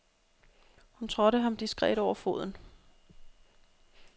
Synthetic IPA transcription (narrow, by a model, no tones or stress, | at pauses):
hunt͡sʰʁɔ̽ɾəɦɑ̈md̥isɡ̥ʁɛ̰ɾ̥ɒʊ̰ɐfo̝ð̞̰ˠn̩